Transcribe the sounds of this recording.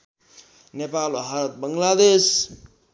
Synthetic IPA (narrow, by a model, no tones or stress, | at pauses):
nepaloɦaɾət̪̚bəŋlad̪es